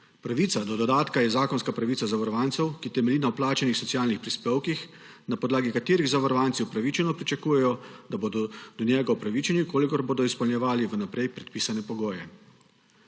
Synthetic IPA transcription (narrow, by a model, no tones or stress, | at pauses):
pɾaʋiːt̪sad̪ɔd̪ɔd̪aːt̪kajɛzaːkɔnskapɾaʋiːsazaʋɐɾɔʋaːnt̪sɛwkit̪ɛmɛliːnawplaːt͡ʃɛnixsɔt̪sijaːlnixpɾispeːwkix | napɔd̪laːɡikat̪eːɾiɣzaʋɔɾɔʋant̪siwpɾaʋit͡ʃɛnɔpɾit͡ʃakuːjɛjɔd̪abod̪ɔd̪̥ɔnjɛːɡapɾaʋit͡ʃɛnikoːlikɔɾboːd̪ɔispɔlnʲjɛʋaːliʋənapɾɛjpɾɛt̪̚piːsanɛpɔɡoːjɛ